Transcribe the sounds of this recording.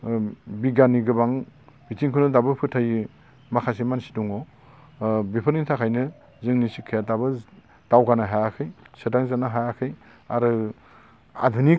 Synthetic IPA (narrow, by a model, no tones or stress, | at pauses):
biɡanːiɡɯbaŋbitiŋkʰunɯdabɯpʰɯtʰaji | makʰasemansi̥dɔŋɔ | bipʰɯɾnitʰakʰajnɯ | zɯŋnisikʰɯjatabɯ | d̥awɡanaɦajakʰɯjsɯdaŋzanaɦajakʰɯj | a̰ɾɯ | a̰dʱuni